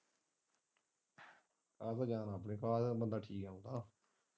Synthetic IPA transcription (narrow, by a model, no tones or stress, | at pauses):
kaːzaːd͡ʒaːnaːp̬ɳẽːkaːsbənd̪aːʈʰiːkɦɛ̃ːũːd̪aː